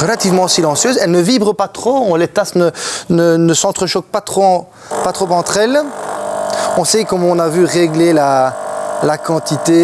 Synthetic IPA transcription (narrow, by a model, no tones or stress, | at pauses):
ʁəlat̪ivmɑ̃silɑ̃sjøːzɛlnəvibʁəpat̪χoɔ̃let̪asnənənəsɑ̃t̪χəʃɔk̚pat̪χoɑ̃ | pat̪χopɑ̃t̪χɛl | ɔ̃sɛkɔmɔ̃navyʁeɡlela | lakɑ̃t̪it̪e